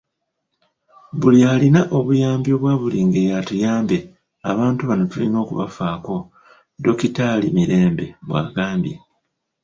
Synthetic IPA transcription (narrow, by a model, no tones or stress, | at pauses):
βulialinaʔo̞βujaːmbjo̞ːβwaːβuliːŋɡe̞jatujaːmbe̞ | a̰βaːntuβano̞tulino̞ːkṵβa̰faːko̞ | do̞kitalimiɾe̞ːmbe̞βwa̰ːɡaːmbje